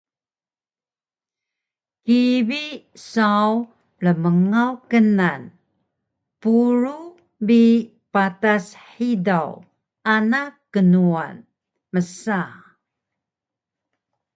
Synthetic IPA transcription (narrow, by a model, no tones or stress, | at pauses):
kibi | saw | ləməŋawkənan | puɾu | bi | patasħidaw | anakːənua̰n | məsa